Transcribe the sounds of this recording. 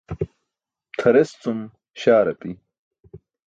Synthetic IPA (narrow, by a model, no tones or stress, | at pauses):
t̪ʰɐɾest͡sum | ɕaːɾɐpi